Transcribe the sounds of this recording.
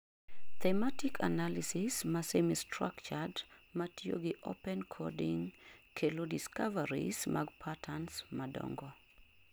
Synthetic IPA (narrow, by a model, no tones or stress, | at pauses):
t̪ɛmatikʰa̰nalisɪsmasemistra̰kt͡ʃadmatjo̰ɡɪʔo̰pɛnkʰɔ̰diŋkʰelodiskavaɾḭsmʔa̰ɡpʰatʰansmadɔ̰ŋɡɔ